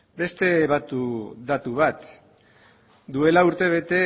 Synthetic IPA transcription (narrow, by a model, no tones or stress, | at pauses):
be̞st̪e̞βat̪ud̪at̪uβ̞at̪ | d̪ue̞lauɾt̪e̞β̞e̞t̪e̞